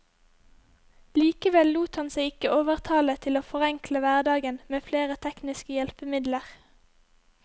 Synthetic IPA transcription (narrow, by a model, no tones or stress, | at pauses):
liːkəʋɛlluːt̪hɑnseɪɪkəʔoːʋəʁt̪ʰɑːlət̪ʰɪloːfɔʁɛŋkləʋæʁd̪ɑːɡənmeːfleːʁət̪ʰɛknɪskəjɛlpəmɪd̪ləʁ